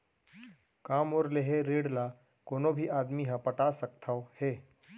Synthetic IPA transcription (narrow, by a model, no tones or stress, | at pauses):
kaːmoːɾleɦeɾeːɽla | koːnõbʱiʔaːd̪miɦãpəʈaːsək̚t̪ʰaoheː